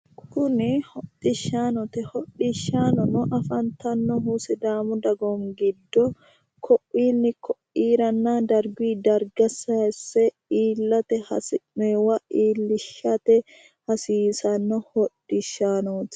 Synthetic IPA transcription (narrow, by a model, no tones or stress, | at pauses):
kʰʊnɪhɔtʼːɪʃːaːnɔt̪ɛhɔᶑɪʃːaːnɔnɔʔɐfɐnt̪ɐnːɔɦusɪd̪aːmʊd̪ɐɡɔŋɡɪd̪ːɔ | kʰɔʔːiːnːɪkɔʔiːɾɐnːad̪ɐɾɡiːd̪ɐɾɡɐsɐɛsːɛ | iːlːɐt̪ɛhɐ̰sɪmeːwɐʔiːlːɪʃːɐt̪ɛ | hɐsiːsɐnːɔhɔᶑːɪʃːaːnoːt̪